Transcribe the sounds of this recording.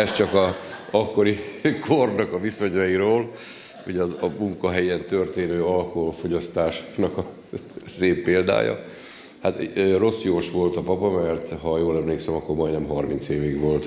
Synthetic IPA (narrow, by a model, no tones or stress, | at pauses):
ɛst͡ʃɒkɒɒkːo̞ɾikʰornɒkɒviso̞ɲɒjiɾoːl | uɟɛɒzɒmuŋkɒɦɛjɛnt̪ø̞rt̪eːnøːɒlko̞ɦo̞lfo̞ɟɒst̪aːʃnɒkɒ | seːpːeːld̪a̰ːjɒ̰ | hat̪ːro̞sjoːʃʋo̞lt̪ɒpɒpɒmɛrt̪ɦɒjoːlɛmleːksɛmɒkːo̞rmɒjd̪nɛmɦɒrmint̪seːviɡʋo̞lt̪